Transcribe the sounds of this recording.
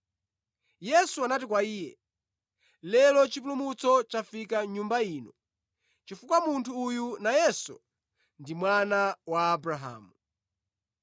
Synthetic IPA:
jɛsuanatikwaiːjɛ | lɛlɔt͡ʃip̬ulumut͡sɔt͡ʃafikaɲumbaiːnɔ | t͡ʃifukwamuntʰuːjunajɛsṵ | ndimwanawaːbɾaɦa̰ːmu

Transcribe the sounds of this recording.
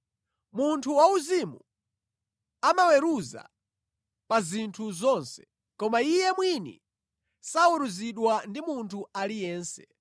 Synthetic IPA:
muntʰuwauzimu | amawɛɾuza̰ | pazintʰuzɔnsɛ̥ | kɔmaijɛmwinḭ | sauɾuziɗwandimuntʰualijɛːnsɛ

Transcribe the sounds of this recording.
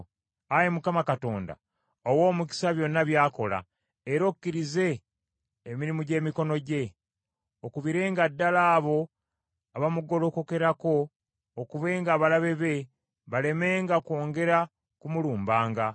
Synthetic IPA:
ajemukamakato̞ːnda̰ | owo̞ːmuk̬i̥saβjo̞nːaβjaːko̞la̰ | eɾo̞kukːiɾize̞ː | miɾimuɟe̞ːmiko̞no̞ɟe̞ | okuβiɾe̞ːŋɡadːalaːβo̞ | aβamuɡo̞lo̞koke̞ɾako̞ː | kuβe̞ːŋɡaːβalaβe̞βe̞ | βale̞me̞ːŋɡako̞ːŋɡe̞ɾa | kumuluːmbaːŋɡa

